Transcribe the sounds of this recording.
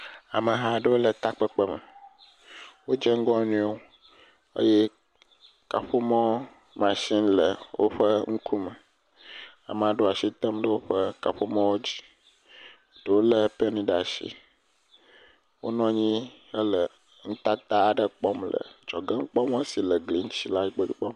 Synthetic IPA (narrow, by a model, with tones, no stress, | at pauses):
a˨mə˨ɦa˨ɖə˦wo˦lə˨t̪a˦k͡pə˦k͡pə˦mə˨ | wo˦d͡ʒe˦ŋ̩˦ɡɔ˦nũ˦o˦ | ə̰˦je˦ | ka˨ɸo˦mɔ̃˦ | mã˨ʃi˦nlə˨wʔo̰˦ɸə˦ŋ̩˦kʰu˦mə˨ | a̰˨m˨a˨ɖo˦a˨ʃi˦t̪ə˦mɖə˦wo˦ɸə˦ka˨ɸo˦mɔ̃˦wo˦d͡ʑi̥˦˨ | ɖo˨wo˦lə˨pe˦nĩ˦ɖa˨ʃḭ˦ | wo˦nɔ̃˦ɲĩ˦ | ə˦lə˨ | ŋ̩˦t̪a˦t̪a˦a˨ɖə˦k͡pɔ˦mlə̰˨d͡ʒɔ˨ɡə˦ŋ̩˦k͡pɔ˦m˦e˦si˨lə˨ɡli˨ŋ˦t͡ɕi˦la˦i˦k͡pə˦du˦k͡pɔ˦m˨